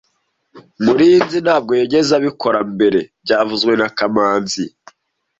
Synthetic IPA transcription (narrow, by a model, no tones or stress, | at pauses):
muɾijinzinhaːb̚ɡo̞jeɟe̞zaβiko̞ɾambe̞ɾe̞b̚ɟaːvuzɡwe̞nakamaːnzi